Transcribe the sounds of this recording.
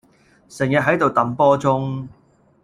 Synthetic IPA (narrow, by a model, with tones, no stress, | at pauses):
sɪ˨˩ŋjɐ˨t̚ɦɐ˨˥jt̪o˨wt̪ɐ˨˥mpɔː˥t͡sʊ˥ŋ